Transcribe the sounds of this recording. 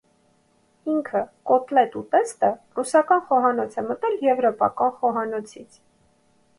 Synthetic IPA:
iŋkʰəkɔt̪lɛt̪ut̪ɛst̪ərusɑkɑnχɔɦɑnɔt͡sʰɛmət̪ɛljɛvɾɔpɑ̰kɑnχɔɦɑnɔt͡sʰit͡sʰ

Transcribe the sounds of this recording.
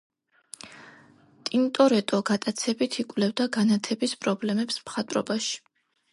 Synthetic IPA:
t̪ʼint̪ʼɔɾɛt̪ʼɔɡat̪ʼat̪sʰɛbit̪ʰikʼvlɛvd̪aɡanat̪ʰɛbispʼɾɔblɛmɛpsmχat̪ʼɾɔ̰baʃi̥

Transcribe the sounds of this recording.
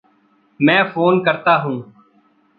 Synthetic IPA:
mɛ̃ːfʰoːnkəɾt̪aːɦũː

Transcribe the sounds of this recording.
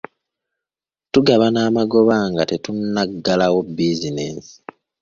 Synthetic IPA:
tuɡaβanaːmaɡo̞βaŋɡate̞tunːaɡːalawobːizinḛːsi̥

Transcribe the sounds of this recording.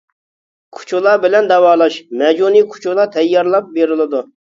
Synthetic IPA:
kʰu̥t͡ʃʰulˠɑbɪlɛnd̪ɛwɑːlˠɑʃmɛd͡ʒunikʰu̥t͡ʃʰulˠɑt̪ʰɛjːɑɾlˠɑp̚beɾɪlˠɨd̪u

